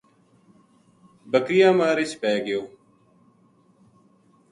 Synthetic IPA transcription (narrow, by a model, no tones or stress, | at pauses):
bəkɾɪjãːmaːɾɪʃpɛːɡɪjoː